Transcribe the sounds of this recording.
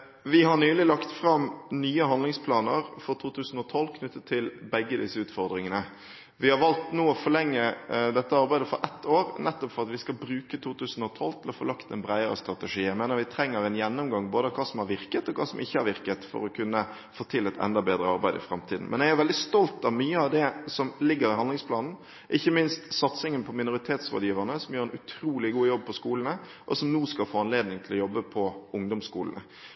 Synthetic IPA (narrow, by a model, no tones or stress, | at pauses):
ʋɪɦɑɳyːlɪlɑkt̪fɾɑmnyːəɦɑnd̪lɪŋspʰlɑːnəɾfɔɾt̪ʰuːt̪ʰʉːsn̩ɔt̪ʰɔlːkʰnʉt̪ːət̪ʰːɪlbɛɡːəd̪ɪsəʉːt̪fɔɾd̪ɾɪŋənə | ʋɪhɑɾʋɑlt̪nuːɔfɔlɛŋːəd̪ɛt̪ːəɑɾbæɪd̪əfɔ̰ɾʔɛt̪ʰːoːɾnʔɛt̪ːɔpfɔɾʁɑt̪ʋɪskɑlbɾʉːkət̪ʰuːt̪ʉːsn̩ɔt̪ʰɔlt̪ʰɪlɔfo̰ːlɑkt̪ɛnbɾæɪəɾə̰st̪ɾɑt̪əʂiːæɪmeːnəɾʋɪt̪ʰɾɛŋːəɾɛnjɛnːʊmɡɑŋboːd̪əkʰɑːsɔmhɑɾʋɪʁkət̪ɔkʰɑːsɔmʔɪçːəhæɾʋɪʁkət̪fɔ̰ɾɔkʰʉnːə | foːt̪ʰɪlːɛt̪ɛ̰nd̪ɑbeːd̪ɾəɑɾbæɪd̪ɪ̰fɾɑmt̪ʰiːd̪n̩mʔɛ̰njɛɡæɾʋɛld̪ɪst̪ɔlt̪ɑʋmyːəɑʋd̪ɛsɔmlɪɡːəɾɪɦɑnlɪŋspʰlɑːnn̩ | ʔɪçːəmɪnst̪sɑt̪sɪŋənpʰɔmɪnʊɾɪt̪ʰeːt̪sʁo̰ːd̪jiːʋəʁnəsɔmjøːɾɛnʉt̪ʰɾuːlɪɡuːjɔb̚ːpʰɔskuːlənə | ʔɔsɔmnuːskɑlfoːɑnleːd̪nɪŋt̪ʰlɔjɔbːəpʰɔʊŋd̪ɔmskuːlənə̰